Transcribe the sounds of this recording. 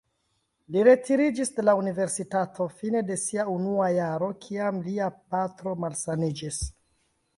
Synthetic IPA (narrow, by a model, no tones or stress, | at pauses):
liɾe̞tiɾid͡ʒisde̞launive̞ɾsitatʰo̞fine̞de̞siaunuajaɾo̞kʰiamliapatɾo̞malsanid͡ʒis